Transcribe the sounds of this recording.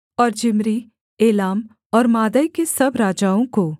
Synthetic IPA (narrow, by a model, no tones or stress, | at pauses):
ɔːɾd͡ʒɪmɾi | eːlaːm | ɔːɾmaːd̪əjkesɐbɾaːd͡ʒaːõko